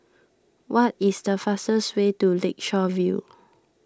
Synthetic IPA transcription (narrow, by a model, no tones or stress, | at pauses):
wɔtisdəfastəswetulek̚ʃɔvjṵ